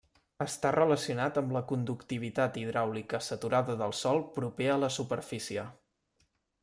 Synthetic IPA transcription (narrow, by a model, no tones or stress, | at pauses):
əst̪arələsiunat̪əmləkund̪ukt̪iβ̞it̪at̪iðɾawlikəsət̪uɾaðəðəlˠsɔlˠpɾupeələsupəɾfisiə